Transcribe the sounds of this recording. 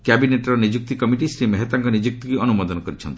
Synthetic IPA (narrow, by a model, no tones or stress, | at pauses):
kabineʈɔɾɔnid͡ʒuk̚t̪ikɔmiʈisɾimeɦet̪aŋkɔnid͡ʒuk̚t̪ɔkiɔnumɔd̪ɔnɔkɔɾit͡ʃʰɔnt̪i̥